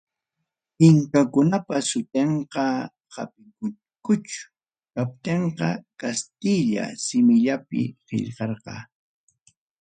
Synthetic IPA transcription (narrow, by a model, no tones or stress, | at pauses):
hɪŋkakʊnapasʊt̪eɴqɑ | ha̰pɪkʊ | kʊt͡ʃʊ̥ | kap̚t̪eɴqɑkast̪ɪʎa̰sɪmɪʎapɪ̰hɪ̰ʎqɑɾqɑ̰